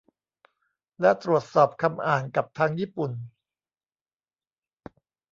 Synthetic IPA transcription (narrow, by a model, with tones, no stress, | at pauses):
lɛ˦˥t̪ɾu˨˩ət̪̚sɔː˨˩p̚kʰa˧mʔaː˨˩nka˨˩p̚t̪ʰaː˧ŋjiː˥˩pu˨˩n